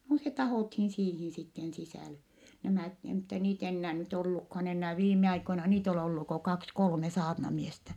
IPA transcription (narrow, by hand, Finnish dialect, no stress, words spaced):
no se tɑhoˑthin siːhin sitːen sisæˑle næmæˑt e mutːɑ niːt enːæː nyt olːukhɑn enːæː ʋiːmˑeɑikoinɑ niːt ol olːu ko kɑks kolme sɑːrnɑmiestæ